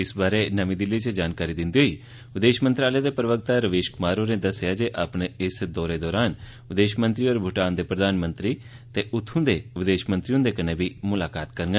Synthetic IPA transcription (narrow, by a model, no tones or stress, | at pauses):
ɪsbaːɾenəʋĩd̪ɪlːit͡ʃəd͡ʒaːnkaːɾid̪ɪ̃nd̪iɦoiː | ʋɪd̪eːʃmənt̪ɾaːləjad̪eːpɾəʋək̚t̪aɾəʋeːʃkʊmaːɾoned̪əsjad͡ʒeʔapneɪsd̪ɔːɾed̪ɔːɾaːn | ʋɪd̪eːʃmə̃nt̪ɾiɔːɾbʱʊʈaːnd̪eːpɾəd̪aːnmə̃nt̪ɾi | t̪eːʔʊt̪ʰːũd̪eːʋɪd̪eːʃmə̃nt̪ɾijõd̪ekəneːbʱiːmʊlaːkaːt̪kəɾŋɡə